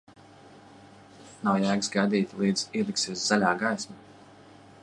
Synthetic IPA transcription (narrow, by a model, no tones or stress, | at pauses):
nawjæːɡsɡajd̪iːt̪ʲilˠiːd̪z̥iːɛlˠiksiɛsz̥alʲaːɡajsma